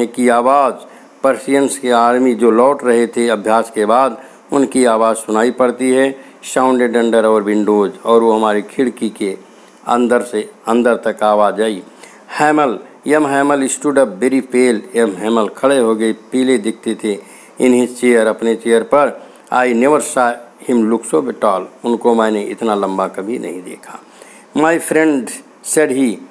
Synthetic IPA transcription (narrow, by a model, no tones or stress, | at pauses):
ekiaːʋaːd͡ʒ | pəɾsijənskeaːɾmid͡ʒoːlɔːʈɾəɦet̪ʰeəbʱjaːskebaːd̪ | ʊnkiaːʋaːd͡ʒsʊnaːipəɽt̪iɦɛ | sãːʊ̃ɳɖeɖə̃ɳɖəɾɔːɾbɪ̃ɳɖoːd͡ʒɔːɾʋoɦəmaːɾikʰɪɽkike | ə̰nd̪əɾseə̃nd̪əɾt̪əkaːʋad͡ʒaːi | hɛːməl | jəmɦɛːməlɪsʈuːɖəp̚beɾipʰeːljəmɦɛːməlkʰəɽeɦoɡəipiled̪ɪkʰt̪et̪ʰe | ɪnɦit͡ʃejəɾəpnet͡ʃeəɾpəɾ | a̰ːineʋəɾsahɪmluksobɪʈaːlʊnkomɛ̃ːneʔɪ̰t̪naləmbakəbʱinʔə̰ɦĩd̪ḛːkʰḁ | maːipʰɾẽɳɖ | seɖɦi